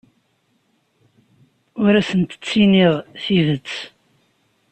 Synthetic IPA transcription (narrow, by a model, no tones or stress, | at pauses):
ʊɾæsənt̪ə̥t͡sːiniðθiðət͡sː